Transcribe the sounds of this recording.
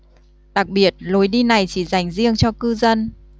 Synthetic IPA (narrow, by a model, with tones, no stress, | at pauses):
ɗa˨˩k̚ɓi˨˩ət̚lo˨˦jɗi˧na˨˩jt͡ɕi˧˩za˨˩jŋ̟zi˧əŋt͡ɕɔ˧kɨ˧zə˧n